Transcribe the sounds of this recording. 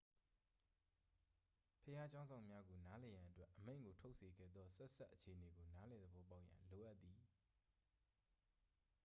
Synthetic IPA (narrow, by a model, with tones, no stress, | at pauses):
pʰəja˦t͡ɕã˦ʊ̃nzã˨ʊ̃mja˦ɡo˨na˦lɛ˨jã˨ʔətwɛ˦ʔːəmḛ̃˦ɪ̃ŋɡo˨tʰo˦ʊʔsʰe˨ɡɛ̰˦˨d̪ðɔ˦sɛ˦sa˦ʔːət͡ɕʰe˨ʔəne˨ɡo˨na˨˦lɛ˨d̪əbɔ˦˨pa˦ʊʔjã̰˨lo˨ʔa˦t̪ːi˨